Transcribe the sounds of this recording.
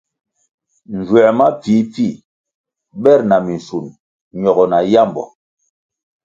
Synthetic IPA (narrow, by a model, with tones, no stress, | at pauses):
n˨d͡ʒwɛ˨ma˦p͡fi˨˦p͡fi˦˨ | ɓɛ˦˨ɾna˨mi˨n˨su˨n | ɲɔ˨ɡɔ˨na˨ja˦˨mbɔ̰˨